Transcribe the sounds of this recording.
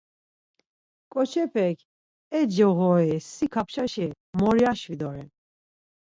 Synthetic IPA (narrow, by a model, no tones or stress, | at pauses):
kʼɔt͡ʃʰɛpʰɛkʰ | ɛd͡ʒɛɣɔɛsikʰapʰʃaʃɛ | mɔɾiaʃvid̪ɔɾɛn